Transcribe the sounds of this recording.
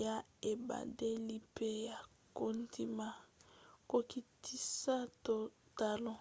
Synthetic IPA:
ja˦e˨ba̰˨de˦li˦pe˦ja˨ | ko˦nti˦ma˦ko˨ki˨ti˦sa˦to˨ta˨lɔ˦

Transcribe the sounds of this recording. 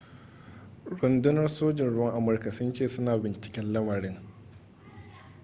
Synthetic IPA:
ɽʊ˨ndʊ˦nɐ˦rsoː˦d͡ʒɪ˨nɽʊ˦wɐ˦ŋʔa˨mʊ˦rka˨sʊ˦nt͡ʃeː˦˨sʊ˦naː˨bɪ˨nt͡ʃɪ̥˨kʲɛ˦nlɐ˦mɐ˨ɽɪ˦ŋ

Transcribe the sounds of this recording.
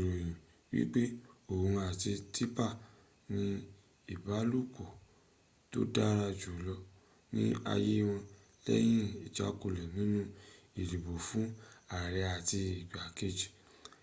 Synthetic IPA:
ɾo˨j̃ĩ˨ | wḭ˦k͡pe˦õ˨˧a˨ti˧tʰi˦pa˦˨ | nĩ˧ | i˦˨ba˨˦lu˦˨ko˨ | to̰˦da˦ɾa˧d͡ʒu˨lɔ˧ | nĩ˦a̰˧je˦w̃ɔ̃˧ | lɛ̰˦j̃ĩ˦i˨d͡ʒa̰˨˦ko˧˨lɛ˨nĩ˦nũ˦i˨ɾi˨bo˨fũ˨˦a˨ɾɛ˧a˨ti˧i˨ɡ͡ba˨ke˦d͡ʒi̥˨

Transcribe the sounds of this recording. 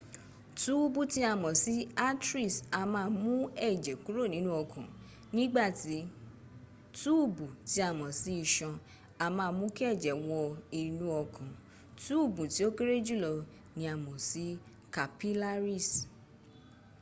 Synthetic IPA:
tu˦bu˦˨ti˧˦a˧˨mɔ̃˨si˨˦a˦tɾi˦˨sa˧mãː˧mũ˦ɛ˦˨d͡ʒɛ˨ku˨˦ɾo˦˨nĩ˨˦nũ˦ɔ˧kʰã˨ | nĩ˦ɡ͡ba˦˨ti˨˦ | tu˦˨bu˨ti˨˧˦a˧˨mɔ̃˨si˨˦i˧ʃɔ̃˧ | a˧mãː˧mũ˦ki˦ɛ˦˨d͡ʒɛ˨wɔ˧i˨nũ˧˦ɔ˧kʰã˨ | tu˦u˦˨bũ˨ti˨˦o˦ke˦ɾe˦d͡ʒu˦˨lɔ˧ | nĩ˧a˨mɔ̃˨si˨˦ | ka˨pi˦la˦ɾi˦˨s

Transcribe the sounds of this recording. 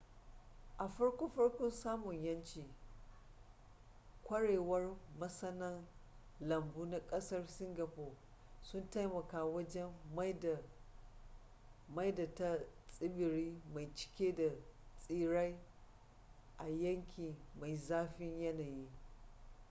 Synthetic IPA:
ʔa˨ɸɐ˦ɽkʷoː˦ɸɐ˦ɽkʷɔ˦nsaː˦mʊ˨ɲjɐ˦nt͡ʃiː˨ | kʷɐ˦ɽeː˨wɐ˦rmɐ˦sɐ˦nɐ˦n | lɐ˨mbuː˦na˨kʼɐ˦sɐ˦rsɪ˦ŋɡa˨ɸoː˨ | sʊ˦nta˦jmɐ˨kaː˦wɐ˦d͡ʒɛ˦m˦˨ | ma˦jda˨ta˦t͡sʼɪ˦bɪ˨ɾiː˦ma˨jt͡ʃɪ̥˦kʲeː˦da˨t͡sʼiː˦ɽa˦j | ʔa˨jɐ˦ŋkʲi˨ma˨jzaː˦ɸɪ˦ɲjɐ˦naː˨jiː˦

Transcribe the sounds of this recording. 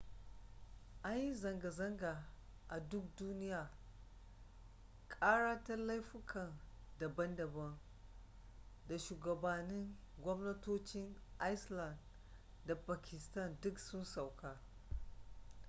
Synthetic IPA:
ʔa˦jji˦zɐ˨ŋɡa˨zɐ˦ŋɡa˨ | ʔa˨dʊ˦k̚duː˦nɪ˦jaː˨ | kʼaː˦ɽaː˦ta˦la˦jɸɪ˦kʰɐ˨n | dɐ˨bɐ˦ndɐ˨bɐ˦n | da˨ʃuː˨ɡɐ˨ba˨nɪ˦ŋ | ɡʷɔ˦mnɐ˦toː˦t͡ʃɪ˦ŋʔa˦jsla˨nd | da˨paː˨kʲɪ˨stɐ˦˨ndʊ˦ksʊ˦nsa˨wkaː˦

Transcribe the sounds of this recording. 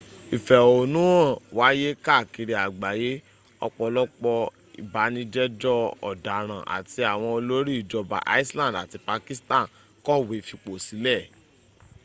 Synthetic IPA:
i˨fɛ˨o˨nũ˨˦ɔ̃˦˨wa˨˦je˦ka˦˨ki˧ɾi˧a˨ɡ͡ba˨je˨˦ | ɔ̰˧k͡pɔ˧lɔ˦k͡pɔ˧ | ḭ˨ba˨˦nĩ˧d͡ʒɛ˦d͡ʒɔ˦ɔ̰˨da˨ɾ̃ã˨ʔa̰˨ti˧a˨w̃ɔ̃˧o˧lo˦ɾi˦˨d͡ʒɔ˧ba̰˨ʔa̰˦i˦slã˦˨da̰˨ti˧pa˧ki˦stã˦˨ | kɔ˦˨we˨˦fi˧k͡po˨si˨˦lɛ˦˨

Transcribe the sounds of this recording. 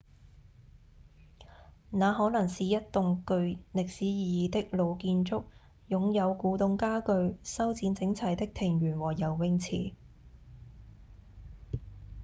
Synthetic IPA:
naː˨˧ɦɔː˨˥nɐ˨˩ŋsiː˨jɐ˥t̚t̪ʊ˨ŋkɵ˧ɥlɪ˨k̚siː˨˥jiː˨jiː˨t̪ɪ˥k̚lo˨˧wkiː˧nt͡ʃt͡sʊ˥k̚ | jʊ˨ŋjɐ˨˧wkuː˨˧t̪ʊ˧ŋkaː˥kɵ˧ɥsɐ˥wt͡siː˨˥nt͡sɪ˨˥ŋt͡sʰɐ˨˩jt̪ɪ˥k̚t̪ʰɪ˨˩ŋjyː˨˩nwɔː˨˩jɐ˨˩wːɪ˧ŋt͡sʰḭː˨˩

